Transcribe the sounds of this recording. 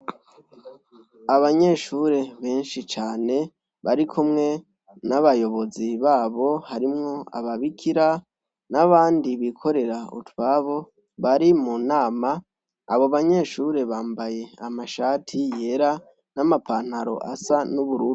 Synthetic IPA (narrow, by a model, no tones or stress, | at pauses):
aβaɲe̞ʃuɾe̞βe̞ːnʃit͡ʃaːne̞ | βaɾikʰumŋe̞ | naβajo̞βo̞ziβaːβo̞haɾimŋo̞a̰βaβikʰiɾa | naβaːndiβikʰo̞ɾe̞ɾaṵtwaβo̞ | βaɾimunaːma̰ː | βoβaɲe̞ːʃuɾe̞βaːmbaje̞amaʃaːtʰije̞ɾa | namapan̥haɾo̞̰ʔa̰sanuβuɾuːu